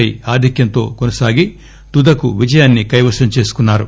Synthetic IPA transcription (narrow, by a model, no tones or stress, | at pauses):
ɐjaːd̪ʱɐkjɐnt̪o̞̰ːkonɐsaːɡi | t̪ud̪ɐkuʋid͡ʒɐjaːnːikɐjʋɐʃɐmt͡ʃe̞ːsu̥kunːaːɾṵ